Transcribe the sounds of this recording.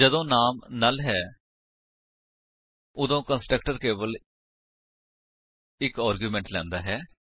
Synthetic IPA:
d͡ʒəd̪õːnaːmnaːlɦɛː | ʊd̪õːkənsʈɾəkʈəɾkeːbəl | ɪkaːɾɡjuːmɛ̃ːɳʈlɛ̰̃ːnd̪aːɦɛː

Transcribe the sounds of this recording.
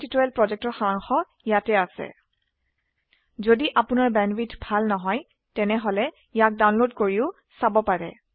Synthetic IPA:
titoɛlpɹɔzɛk̚tɔɹxaɹaŋxɔ | jatɛasɛ̰ | zodiʔapʊnaɹbɛnwitbʱalnɔɦɔj | tɛnɛɦolɛ | ijak̚dawnlodkoɹiʊ | sabɔpaɹɛ̰

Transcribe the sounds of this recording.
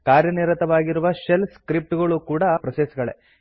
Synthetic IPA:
kaːɾjɐniɾɐt̪ɐʋaːɡiɾuʋɐʃelskɾip̚ʈuɡɐɭukuːɽɐpɾɐsesɐɡɐɭḛ

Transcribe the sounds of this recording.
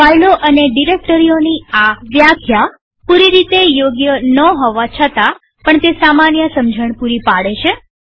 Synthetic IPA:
pajloʔəneɖiɾek̚ʈəɾijoniaʋjakʰja | puɾiɾit̪ejoɡjənəɦɔʋat͡ʃʰət̪a | pəɳt̪esamanjəsəmd͡ʒʱəɳ̃puɾipaɽet͡ʃʰe

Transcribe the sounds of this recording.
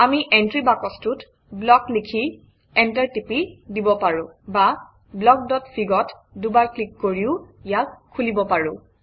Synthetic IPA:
amiʔɛntɹibakɔstut | blɔklikʰi | ɛntaɹtipidibɔpaɹʊ̃ba | blɔk̚dɔtfʰiɡɔt | dubaɹklikːoɹiʊijakkʰːulibɔpaɹʊ̃

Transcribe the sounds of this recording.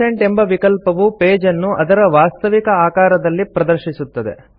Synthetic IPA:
eɳʈembɐʋikɐlpɐʋupeːd͡ʒɐnːuʔɐd̪ɐɾɐʋaːst̪ɐʋikɐaːkaːɾɐd̪ɐlːipɾɐd̪ɐɾʃisut̪ːɐd̪e̞̰

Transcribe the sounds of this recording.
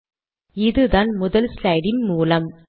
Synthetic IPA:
ɪðɯðaːnmʊðɐlslɐɪɽɪnmuːlɐm

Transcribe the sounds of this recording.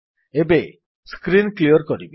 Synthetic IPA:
ebe | skɾinkliɔɾkɔɾibe

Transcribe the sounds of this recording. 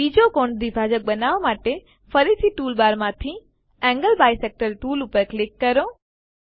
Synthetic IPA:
iːd͡ʑokoːɳɖd̪iːbʱaːd͡ʑək̚ɓɐnaːʋamaːʈe | fʰɐɾiːsiʈuːlbaːɾmãt̪ʰi | ɛ̃ŋɡəlbaːiseːk̚ʈəɾʈuːlʊpəɾklɪkːɐɾõ

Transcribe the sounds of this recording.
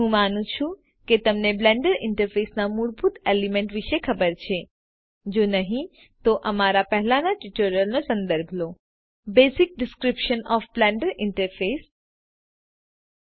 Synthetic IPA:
ɦũmanũt͡ʃʰũ | ket̪əmneblɛ̃ɳɖəɾɪ̃ɳʈəɾfesnamuɾbʱut̪elimẽɳʈʋiʃekʰəbəɾt͡ʃʰe | d͡ʒonəɦĩ | t̪oʔəmaɾapəɦlanaʈuʈoɾijəlnosə̃nd̪əɾbʱlo | besik̚ɖɪskɾipʃənɔfblɛ̃ɳɖəɾɪɳʈəɾfes

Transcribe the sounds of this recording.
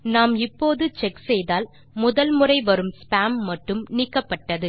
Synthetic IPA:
naːmɪpːoːðɯt͡ʃɛksɛjðaːl | mʊðɐlmɯrɐɪʋɐɾɯmspaːmːɐʈːɯmniːkːɐpːɐʈːɐðɯ

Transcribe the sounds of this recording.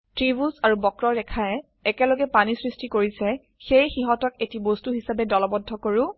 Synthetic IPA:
tɹibusaɹubɔkɹɔɹɛkʰaɛ | ɛkɛlɔɡɛpanisɹistikoɹisɛ | xejxiɦɔtɔketibostuɦisabɛdɔlɔbɔdʱːɔkoɹʊ

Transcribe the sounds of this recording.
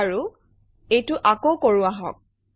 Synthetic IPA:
ɹu | ejtʊʔakowkoɹʊaɦɔ̰k̚

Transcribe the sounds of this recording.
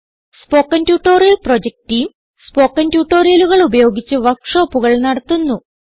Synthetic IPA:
spo̞ːkːɐntjuːʈːoːrijɐlpro̞d͡ʑek̚tijm | spoːkːɐntjuːʈːo̞ːrijɐluɣɐɭubɐjo̞ːɡit͡ɕːɨʋɐrkʂo̞ːpːuɣɐɭnɐɽɐt̪ːunːu

